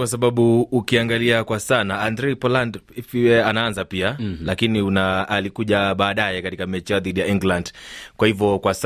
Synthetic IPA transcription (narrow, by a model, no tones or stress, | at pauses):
kwasaɓaɓuːkiaŋɡaliakwasanaandɾɛipɔlandfiɛanaanzapialakiniunaːlikuʄaɓaːɗajɛkatikamɛt͡ʃiaðiɗijaiŋɡlandkwahivɔkwas